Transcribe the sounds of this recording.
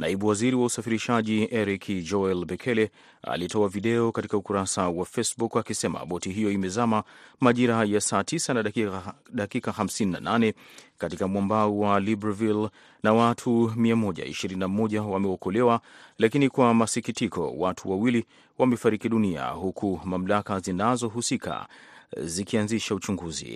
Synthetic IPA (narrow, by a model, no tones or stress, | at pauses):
naiɓuwaziɾiwausafiɾiʃaʄiʔɛɾikʰd͡ʒɔɛlbɛkʰɛlɛ | a̰litɔaviɗɛɔkatikaukuɾasawafesbukakisɛma̰ɓɔtiɦijɔimɛzamamaʄiɾajasaːtʰisana | ɗakikahamsinina̰nanɛkatikamwambauwalibɾavil | nawatʰumiamɔʄa̰ḭʃiɾininamɔʄawamɛɔkɔlɛwalakinikwamasikitikɔ̰watʰuwawili | wamɛfaɾikiɗunia̰ɦukʰumam̩lakazinazɔɦusika̰ | zikianziʃaut͡ʃuŋɡuzḭ